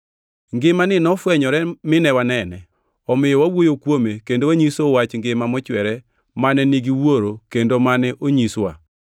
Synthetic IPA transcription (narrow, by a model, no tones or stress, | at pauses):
ŋɡɪmanɪnɔfwɛɲɔɾɛmɪnɛwanɛnɛ | ɔmɪjɔwawojokwomekendowaɲisowat͡ʃŋɡɪmamɔt͡ʃwɛɾɛ | manɛniɡiwoɾokendomanɛʔoɲiswa̰